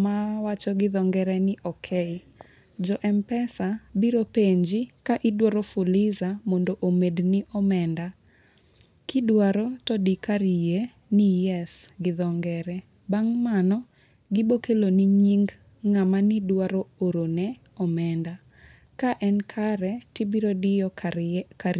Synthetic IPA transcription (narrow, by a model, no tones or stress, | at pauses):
mawat͡ʃɔɡɪðɔŋɡɛɾɛnɪʔɔkʰɛɪ | d͡ʒɔʔɛmpɛsabiɾopeɲd͡ʒɪkaʔɪdwaɾɔfulɪzamondoʔomednɪʔɔmɛnda | kɪdwaɾɔtɔdikaɾije | nijɛsɡɪðɔŋɡɛɾɛ | baŋmanɔ | ɡɪbokeloniɲiŋɡ | ŋamanɪdwaɾɔoɾonɛ | ɔmɛnda | kaʔɛnkʰaɾɛtɪbiɾodɪjɔka